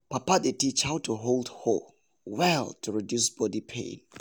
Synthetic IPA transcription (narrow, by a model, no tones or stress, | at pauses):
papadetit͡ʃhaʊtʰuɦolˠdho | wɛlˠtʰuɹidjusb̥ɔdipʰḛ̃n